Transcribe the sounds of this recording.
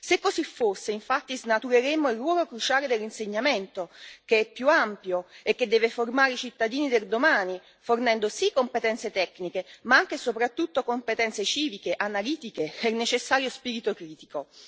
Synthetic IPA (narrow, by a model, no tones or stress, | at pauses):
sekːosifːosːeiɱfat̪ːiznat̪uɾeɾemːoilrwɔːlokɾut͡ʃaːled̪elːinseɲːament̪ok̟eɛpːjuampjoekːed̪ːɛːveformaːɾeit͡ʃit̪ːad̪iːnid̪erd̪omaːni | fornɛnd̪osikːompet̪ɛnt̪set̪ɛkːnikemaaŋk̟esopɾat̪ːut̪ːokompet̪ɛnt̪set͡ʃiːvikeʔanaliːt̪ikeɛnet͡ʃesːaːɾjospiːɾit̪okɾiːt̪iko